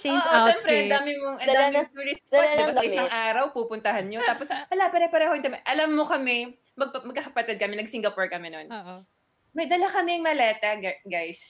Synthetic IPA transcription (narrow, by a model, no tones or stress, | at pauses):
t͡ʃed͡ʒʔoɛːmpɾɛɐnd̪aːmɪmoŋʔɐnd̪aːmɪpiɹɪpɔapsɐʔɪsaŋʔaːɾɐwpuːpʊnt̪ɐhɐnɲot̪aːposwɐlapɐɾɛpɐɾɛːhonkɐmɛʔɐlɐmːokɐmɛ | mɐɡ̚pɐmɐɡ̚kɐkɐpɐt̪ɛd̪̚kɐmɛnɐɡ̚siŋɡɐpoɹkɐmɛnon | mɐjd̪ɐlakɐmɛŋmɐlɛːt̪ɐɡaɡajs